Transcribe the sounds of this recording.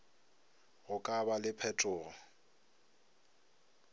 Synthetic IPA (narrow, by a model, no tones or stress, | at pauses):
ɣʊkʼabalɪpʰɛtʼɔːlɔ